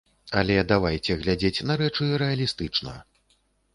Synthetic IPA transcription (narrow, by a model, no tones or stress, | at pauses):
ɐlʲɛd̪avajt͡sʲɛɣlʲad͡zʲet͡sʲnɐɾɛt͡ʂɨɾɛɐlʲist̪ɨt͡ʂnɐ̰